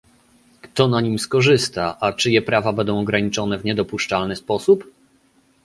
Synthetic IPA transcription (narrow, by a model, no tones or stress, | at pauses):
kt̪ɔnaɲimskɔʐɘst̪aʔat͡ʂɘjɛpɾavabɛnd̪ɔ̃w̃ɔɡɾaɲit͡ʂɔnɛvɲɛd̪ɔpuʂt͡ʂalnɘspɔsup